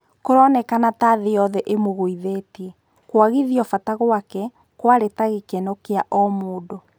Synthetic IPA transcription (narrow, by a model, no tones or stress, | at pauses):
koɾɔnɛkanataðeɔðɛʔemoɣoiðetiɛ | kwaɣiðiɔfataɣwakɛ | kwaɾetaɣekenokeaʔɔmoːdo